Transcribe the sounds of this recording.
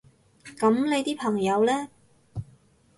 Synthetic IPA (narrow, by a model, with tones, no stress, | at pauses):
kɐ˨˥mle˨˧jt̪iː˥pʰɐ˨˩ŋjɐ˨˧wlɛː˥